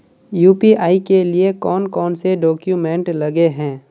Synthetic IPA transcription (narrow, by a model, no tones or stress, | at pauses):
juːpiʔaːikeliekɔːnkɔːnseɖɔːkjumɛ̃ːɳʈlɐɡeɦɛ̃ː